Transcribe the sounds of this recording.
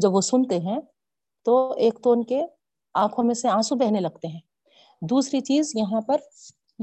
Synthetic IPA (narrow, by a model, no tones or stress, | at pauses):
d͡ʒɐbʋosʊnt̪eɦɛ̃ | t̪oːeːkt̪oːnke | ãːkʰõmẽseãːsubɛɦnelɐɡ̚t̪eɦɛ̃ː | d̪uːsɾit͡ʃiːzjɐɦãpɐɾ